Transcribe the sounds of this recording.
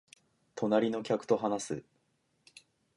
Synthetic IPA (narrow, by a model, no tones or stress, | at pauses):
t̪ʰo̞naɾʲino̞kʲakɯ̥t̪o̞ɦanasɨ